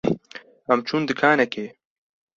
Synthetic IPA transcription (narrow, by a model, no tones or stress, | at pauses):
ɐmt͡ʃʰuːnd̪ɨkʰaːnɛkeː